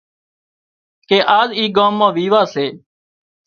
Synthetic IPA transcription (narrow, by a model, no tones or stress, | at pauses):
keːʔaːziːɡãːmːãːʋiːʋaːseː